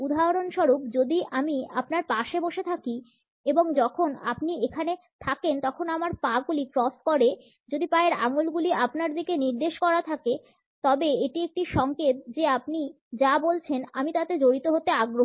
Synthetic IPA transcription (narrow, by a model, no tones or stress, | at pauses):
ud̪ʱaɦɾonʃɔɾupd͡ʑod̪ʱiʔamiapnaɾpaʃeboʃet̪ʰaki | eboŋd͡ʑɔkʰona̰pniekʰane | t̪ʰakent̪ɔkʰonamaɾpãɡulikɾɔskɔɾe | d͡ʑod̪ipaeɾa̰ŋulɡuliapnaɾd̪ikeniɾd̪eʃkɔɾat̪ʰake | t̪ɔbeeʈiek̚ʈiʃɔŋket̪̚d͡ʑeapni | d͡ʑabolt͡ɕʰena̰mit̪at̪ed͡ʑoɾit̪oɦot̪ːeaɡɾo